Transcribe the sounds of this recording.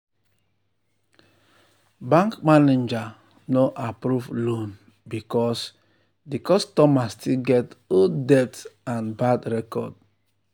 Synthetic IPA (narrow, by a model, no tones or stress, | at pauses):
bãŋkmaned͡ʒa | noʔapɾuvlon | bikɔs | dikɔstɔmastilɡɛtɡodɛtãnbadɾɛkɔ̰d̚